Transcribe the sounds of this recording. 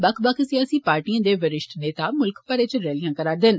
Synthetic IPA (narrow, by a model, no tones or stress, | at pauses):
bəkʰbəkʰsiaːsiːpaːɾʈiãːd̪eːʋəɾɪʃʈneːt̪aːmʊlkpəɾeːt͡ʃɾɛːlijãːkəɾaːɾd̪ɪn